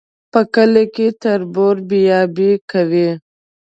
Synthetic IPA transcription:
pəkəlekit̪ɐɾboːɾbijɑːbikɐwe

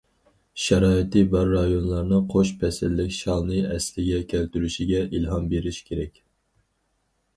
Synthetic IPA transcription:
ʃɛɾɑːit̪ɨbɑɾːɑjonlˠɑɾnɨqʰoʃpʰɛsɪlːɪkʲʃɑlˠnɨɛslɪɡʲɛkʲʰælt̪yɾyʃiɡʲɛʔilɦɑmbeɾiʃkʲʰeɾɛkʲ

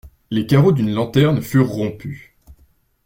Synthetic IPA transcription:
lekaʁod̪ynlɑ̃t̪ɛʁnfyʁːɔ̃py

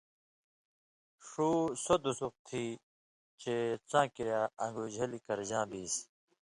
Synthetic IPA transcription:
ʂuːsod̪usuq̚t̪ʰiː | t͡ɕet͡sãːkiɾjaːɐ̃ŋɡuːd͡ʑʱɐlikɐɾd͡ʑãːbiːs

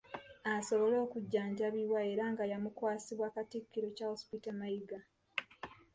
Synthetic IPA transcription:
aso̞βo̞lo̞ːkuɟːaːɲɟaβiwae̞ɾaːŋɡajamukwaːsiβwaːkatikːiɾo̞cahospitamajiɡa

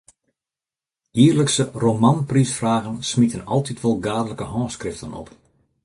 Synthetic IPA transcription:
jiːərləksəromanprisfraːɣənsmitənɔlˠtʰitʋɔlˠɡaːdələkəhɔ̃ːskrɪftənɔ̰p

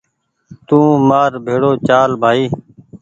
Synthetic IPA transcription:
t̪ũːmaːɾbʱeːɽoːt͡ʃaːlbʱaːiː

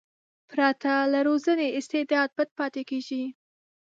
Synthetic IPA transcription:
pɾat̪alaɾozəneɪst̪ed̪ɑd̪̚bəd̪̚pɑt̪ekeʒi

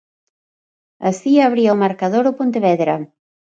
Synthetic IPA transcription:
ɐsiaβɾiɐomaɾkaðoɾopont̪eβɛðɾɐ

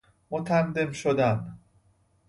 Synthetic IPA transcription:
mot̪ʰænd̪emʃod̪æn

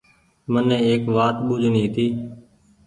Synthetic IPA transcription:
mənːẽːeːkʋaːt̪ɓʊd͡ʒʱnĩːt̪iː

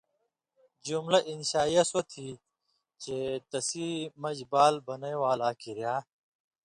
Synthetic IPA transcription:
d͡ʑumlɐʔinɕaːjɐsot̪ʰi | t͡ɕet̪ɐsiːmɐd͡ʑbaːlbɐnɐjwaːlaːkiɾjaː

